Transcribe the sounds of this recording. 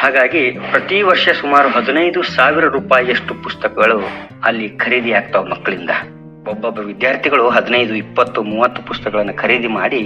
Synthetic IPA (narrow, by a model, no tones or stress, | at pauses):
haːɡaːɡipɾɐt̪iʋɐɾʂɐsumaːɾuɦɐd̪unɐjd̪usaːʋiɾɐɾuːpaːjieʂʈupust̪ɐkɐɡɐɭu | ɐlːikʰɐɾiːd̪iaːɡ̚t̪ɐʋmɐkːɐɭind̪ɐ̰ | ɔbːɐbːɐʋid̪jaːɾt̪ʰiɡɐɭuɦɐd̪inɐjd̪uipːɐt̪ːumuːʋɐt̪ːupust̪ɐkɐɭɐnːukʰɐɾiːd̪imaːɽi